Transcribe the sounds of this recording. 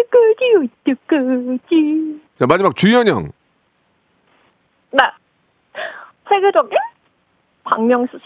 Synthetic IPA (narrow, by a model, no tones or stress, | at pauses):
ɯk͈ɯd͡ʑiitɯk͈ːɯd͡ʑit͡ɕamad͡ʑimak̚t͡ɕujʌɲʌ̰ŋ | na | sʰweɡed͡ʑoɡe | pa̰ŋmjʌŋsʰut͡ɕʰ